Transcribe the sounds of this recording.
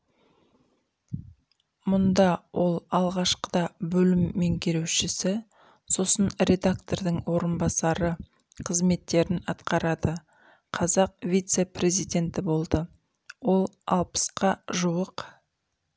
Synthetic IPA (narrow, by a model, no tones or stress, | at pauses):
mʊnd̪ɑwʔo̞lˠɑlˠʁɑʃqəd̪ɑbɵlɪmːe̞ŋkʲʰeɾe̞wʃɪsɪ | so̞sənɾʲe̞d̪ak̚t̪o̞rd̪əɴwo̞ɾənbɑsɑɾə | qʰəzme̞t̪ːe̞ɾɪnɑt̪qɑɾɑd̪ə | qʰɑzɑq̚vʲijt̪se̞prʲe̞zijd̪ʲe̞nt̪ɪbo̞lˠd̪ə | wo̞lˠɑlˠpə̥sqʰɑʒuwəq